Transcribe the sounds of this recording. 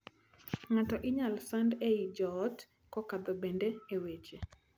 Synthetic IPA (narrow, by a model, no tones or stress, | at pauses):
ŋatɔʔɪɲalsandeid͡ʒɔːt | kɔkad̪ɔbendeewet͡ʃe